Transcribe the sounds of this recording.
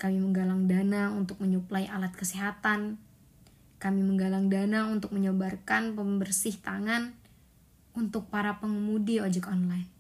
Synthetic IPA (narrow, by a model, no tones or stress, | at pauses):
kamiməŋɡalaŋdanaunt̪ʊk̚məɲuplaiʔalat̪̚kəsiɦat̪an | kamiməŋɡalaŋdanaunt̪ʊk̚məɲobarkanpəmbərsɪht̪aŋan | unt̪ʊk̚paɾapəŋəmudiod͡ʒɛkɔnlajn